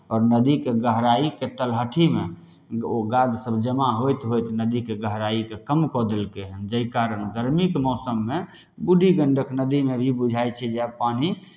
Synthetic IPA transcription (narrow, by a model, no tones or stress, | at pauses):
ɔːɾnəd̪ikeɡəɦɾaiket̪əlɦəʈʰime | oɡad̪səbd͡ʒəmaɦojt̪ɦojt̪nəd̪ikeɡəɦɾaikekəmkɔd̪elkeɦənd͡ʒəikaɾənɡəɾmikemɔːsəmːe | buɖiɡəɳɖʱəknəd̪imebʱibud͡ʒʱajt͡ʃʰɛd͡ʒeapani